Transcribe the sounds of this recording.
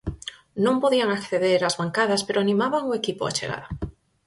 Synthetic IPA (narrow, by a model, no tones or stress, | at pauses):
nõmpo̞ðiaŋakθe̞ðeɾazβaŋkaðaspe̞ɾoanĩmaβaŋoe̞kipoa̰t͡ʃeɣ̞a̰ɾa